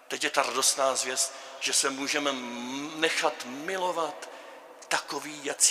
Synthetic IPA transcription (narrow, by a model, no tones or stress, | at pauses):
t̪ɛcjɛt̪aɾado̞st̪naːzvjɛst̪ | ʒ̥ɛsɛmuːʒɛmɛnɛxat̪mɪlo̞vat̪ː | akoviːjat͡s